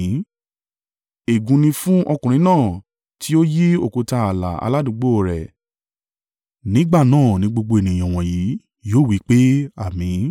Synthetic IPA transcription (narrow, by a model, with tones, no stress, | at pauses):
e˨ɡũ˨˧nĩ˧fũ˦ʔɔ˧kũ˨ɾĩ˧˦nãː˦˨ | tʰi˦o˦ji˦o˨ko˨ta˧a˨la̰˨a̰˧la˦dũ˨˧˦ɡ͡bo˦˨ɾɛ˨ | nĩ˦ɡ͡ba˦˨nãː˦˨nĩ˧˦ɡ͡bo˧ɡ͡bo˧e˨nĩ˨ɔ̃˨w̃ɔ̃˨ji˨˦ | joː˦˨wi˨˦k͡pe˦a˦˨mĩ˨˦